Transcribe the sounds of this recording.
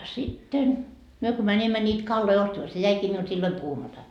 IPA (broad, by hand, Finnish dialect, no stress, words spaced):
sitːen myø ko mænʲimːæ nʲiːt kɑlːoi ostɑmɑ se jæikiː miult silːoi puhumɑtɑ